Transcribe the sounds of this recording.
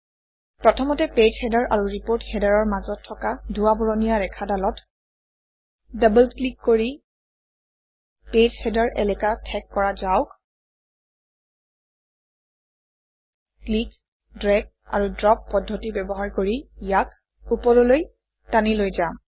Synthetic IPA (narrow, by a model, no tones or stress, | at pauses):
pɹɔtʰɔmɔtɛped͡ʒhɛdaɹʔa̰ɹuɹipoɹthɛdaɹɔɹmazɔtʰːɔkadʱuwabɔɹɔnijaɹɛkʰadalɔt | dabəlklikːoɹi | ped͡ʒhɛdaɹʔɛ̰lɛkatʰɛkːɔɹazaʊk | klik | dɹɛɡ̚ | a̰ɹudɹɔpːɔdʱːɔtibɛbɔɦaɹkoɹijak | upɔɹɔloj | tanilojza